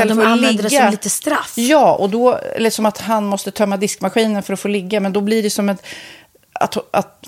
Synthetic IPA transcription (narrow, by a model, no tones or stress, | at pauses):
ɛlːlɛɡ̪d̪əɛːamliːt̪əst̪ɾafjɑːɔ̰d̪ɔɛ̰lːəsɔmat̪ɦanmɔst̪ət̪ʰœmːad̪ɪskmaɧiːnənfœɾɔfoːlɪɡːamɛnd̪ɔblɪɖɛsɔmɛn | a̰t̪a̰t̪